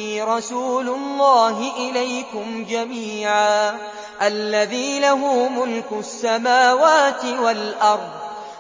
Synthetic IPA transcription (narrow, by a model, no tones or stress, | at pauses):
iːɾˤɑsuːlʊlˤːaːɦɪʔɪlajkʊmd͡ʒamiːʕaː | ʔalːaðiːlaɦuːmʊlkʊsːamaːwaːt̪ɪwalʔɑɾˤd̪ˤ